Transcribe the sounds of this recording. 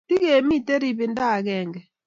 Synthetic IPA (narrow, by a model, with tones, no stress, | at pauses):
ti˦ɣe˨mi˦tɛ˦ɾi˨βɪ˨nda˦˨ɣɛː˦˨ŋɡɛ˨